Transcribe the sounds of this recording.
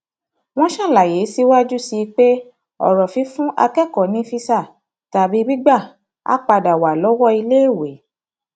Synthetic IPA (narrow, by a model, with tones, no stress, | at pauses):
w̃ɔ̃˦ʃã˦˨la˨je˨˦si˦wa˦d͡ʒu˦si˧k͡pe˦ | ɔ̰˨ɾɔ˨fi˨˦fũ˦ʔa̰˧kɛ˦˨kɔ˨nĩ˨˦fi˦sa˦˨ | ta˧˦bi˨˦bi˦ɡ͡ba˦˨ | a̰˦k͡pa˧da˨wa˨lɔ˨˦wɔ˦i˧le˦e˦˨we˨˦